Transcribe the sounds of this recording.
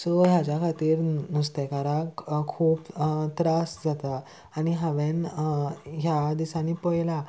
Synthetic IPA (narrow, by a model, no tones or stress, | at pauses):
soɦjat͡ɕjakʰat̪iːɾnust̪ɛkaɾakkʰuːpt̪ɾasd͡zat̪aː | niɦaʋen | ɦjad̪isãnipɔjla